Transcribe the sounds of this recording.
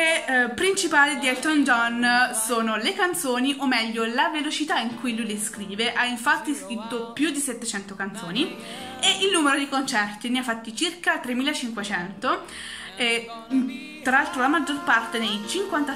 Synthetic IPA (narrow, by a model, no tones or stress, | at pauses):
epːɾint͡ʃipaːled̪iɛt̪ɔnd͡ʒɔnsoːnolekant̪soːniʔomːɛʎːolavelot͡ʃit̪aiŋkujlujleskɾiːveʔaiɱfat̪ːiskɾit̪ːopjud̪ːiset̪ːet͡ʃɛnt̪okant̪so̰ːni | eʔilnuːmeɾod̪ikont͡ʃɛrt̪iniafːat̪ːit͡ʃirkat̪ːɾemːiːlat͡ʃiŋkwet͡ʃɛnt̪o | e | t̪ɾalalt̪ɾolamad͡ʒːorpart̪enejt͡ʃiŋkwant̪a